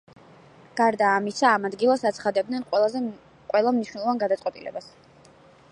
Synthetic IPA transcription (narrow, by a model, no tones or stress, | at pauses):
ɡ̥aɾd̪aːmisaːmad̪ɡilˠasat̪sʰχad̪ɛb̚d̪nɛnʼˠaz | qʼwɛlˠamniʃwnɛlˠɔvanɡad̪at̪sʼqʼwɛt̪ʼḭlɛ̰bas